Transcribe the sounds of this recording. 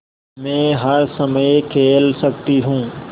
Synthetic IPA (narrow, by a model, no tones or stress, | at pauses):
mɛ̃ːɦɐɾsɐməjkʰeːlsɐk̚t̪iɦũː